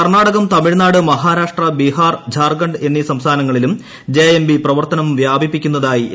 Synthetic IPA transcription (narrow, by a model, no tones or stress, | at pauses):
kɐrnaːɽɐɣɐmt̪ɐmiɻnaːɽɨmɐɦaːɾaːʂʈrɐbihaːrd͡ʑʱaːrɡɐɳɖe̞nːisɐmst̪ʰaːnɐŋːɐɭilum | d͡ʑeːembiprɐʋɐrt̪ɐnɐmʋjaːbipːikʲːunːɐðaːji